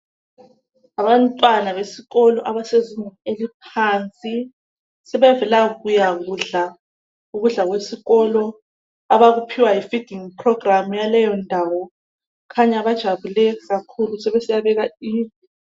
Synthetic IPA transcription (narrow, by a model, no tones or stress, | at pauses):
aβantʼwanaβesiɣɔlɔʔaβaseziɲaelip̚ʰant͡sʼi | sɛβɛvɛlaɣujaɣuɮa | uɣuɮaɣwesiɣɔlɔ | aβaɣupʰiwajifid̥ʱiŋpʰrɔɡramujalɛjɔndʱawɔ | kʰaɲaβad̥ʒ̥ʱaβulɛɣakʰulusɛβesijaβɛɣaiːvi